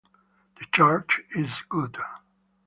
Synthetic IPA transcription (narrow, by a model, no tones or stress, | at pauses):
ð̥ɨt͡ʃaɹt͡ʃɪzɡ̥ʊd̥